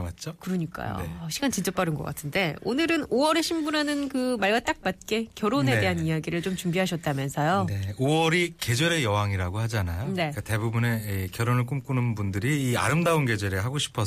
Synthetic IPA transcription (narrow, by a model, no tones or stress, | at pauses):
at̚t͡ɕ͈okɯɾʌɲik͈a̰jo̰ɕʰiɡant͡ɕint͡ɕ͈ʌp͈aɾɯnɡʌk͈a̰tʰɯnde̞onɯɾɯnowʌɾe̞ɕʰimbunanɯnkɯmaɭɡat͈ak̚mat̚k͈e̞kjʌɾone̞de̞ɦaniaɡiɾɯɭt͡ɕomt͡ɕumbiɦaɕʰʌt̚t͈amjʌnsʰʌjoneowʌɾike̞d͡ʑweɾejʌɦaŋiɾaɡohad͡ʑanajone̞k͈ate̞bubune̞ikjʌɾonɯɭk̬͈omk͈unɯnbundɯɾiːa̰ɾɯmdaonɡe̞d͡ʑweɾeɦaɡoɕʰi̥pʰʌ